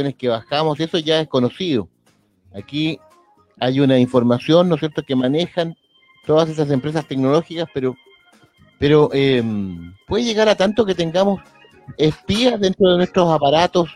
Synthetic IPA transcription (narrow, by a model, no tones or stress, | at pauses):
oneskeβaxamose̞so̞ʝae̞sko̞no̞siðo | aki | ajunaiɱfo̞ɾmasjo̞nːosjeɾt̪okemanexan | t̪o̞ðas̬esas̬empɾe̞s̬ast̪e̞knolo̞xikaspeɾo | peɾoʔempwe̞ðeʝeɣaɾat̪ant̪oket̪eŋɡamos | espiaðe̞nt̪ɾoðenwest̪ɾosapaɾat̪os